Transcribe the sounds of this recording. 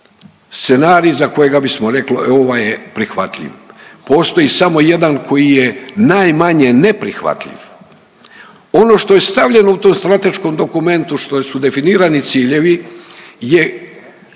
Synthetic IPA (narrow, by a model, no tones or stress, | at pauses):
st̪se̞naːɾijzako̞je̞ɡabismo̞ɾe̞kloo̞ʋajepɾixʋa̰t̪ʎʲḭʋpo̞ːst̪o̞jisamo̞je̞d̪ankʰo̞jije̞najmaɲe̞nepɾḭxʋa̰t̪ʎḭʋ | o̞no̞ʃt̪o̞je̞st̪aʋʎʲe̞no̞ut̪oːmst̪ɾat̪e̞ʃko̞md̪o̞kume̞nt̪uʃt̪osud̪e̞finiːɾanit̪siːʎeʋi | je